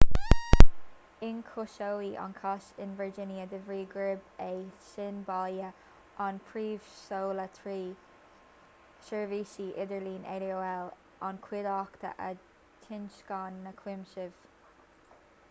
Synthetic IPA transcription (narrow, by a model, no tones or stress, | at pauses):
ɪnkʰoʃowiʔɔ̰nkʰaʃɪnvəɹd͡ʒɪnjəd̪əvɹiːɡɹɪbeːʃɪnbɑljə | ʔɔnpʰɹiːv̥soːlət̪ʰɹiː | ʃɛɹviːʃiːʔɪd̪əɹliːnʔḛlioːɛl | ɔnkʰwɪdɑkt̪ʰə̰ʔə | tʰɪnʃkɑnːəkʰwɪmʃɪv̥